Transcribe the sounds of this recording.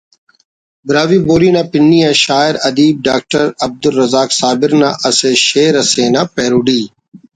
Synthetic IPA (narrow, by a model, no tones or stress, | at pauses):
bɪɾaːʋiːboːɾiːnãːpɪnːiːɛ̃ːʃaːɪɾɐd̪iːb̚ɖaːk̚ʈəɾɐb̚d̪ʊlːɐzaːksaːbɪɾnã̰ːʔɐseːʃeːɾɐseːnãːpeːɾuːɖiː